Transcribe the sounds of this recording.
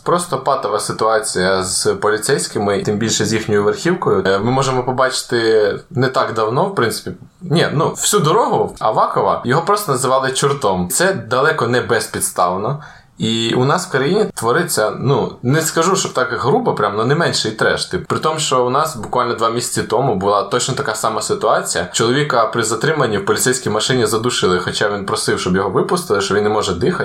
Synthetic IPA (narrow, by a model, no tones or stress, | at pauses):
pɾɔst̪ɔpɑt̪ɐʋɐsɪt̪ʊɑt͡sʲijɐzpɔlʲit̪sɛjsʲkɪmɪt̪ɪmbʲilʲʃɛzʲjixnʲɔjʊʋerxʲiwkɔjʊmɪmɔʒemɔpɔbɑt͡ʃɪ̥t̪ɪnɛt̪ɑɡd̪ɐwnɔwpɾɪnsɪ̥pʲi | nʲɛnuw̥sʲud̪ɔɾɔɦʊɐ̰ʋɑkɔʋɐ̰jɔɦɔpɾɔst̪ɔnɐzɪʋɑlˠɪt͡ʃɪrt̪ɔmt̪sɛd̪ɐlˠɛkɔnɛbɛspʲid̪st̪ɑwnɔ | iʊnɑswkɔɾɐjinʲit̪ʋɔɾɪt͡sʲːɐnunɛskɐʒuʃt͡ʃɔbt̪ɑkɦɾubɐpɾʲamnɔnɪmɛnʲʃɛit̪ɾɛ̰ʃt̪ɪpɾɪt̪ɔmʃt͡ʃɔʊnɑsbʊkʋalʲnɔd̪ʋɑmʲisʲɐ̥t͡sʲɪt̪ɔmʊbʊlˠɑt̪ɔt͡ʃnɔt̪ɐkasɑmɐsɪt̪ʊɑt͡sʲijɐt͡ʃɔlˠɔʋʲikɐpɾɪzɐt̪ɾɪmɐnʲːiwpɔlʲit̪sɛjsʲkʲijmɐʃɪnʲizɐd̪uʃɪlˠɪxɔt͡ʃaʋʲinpɾɔsɪwʃt͡ʃɔbjɔɦɔʋɪpʊst̪ɪlˠɪʃt͡ʃɔʋʲinnːemɔʒɛd̪ɪxɐ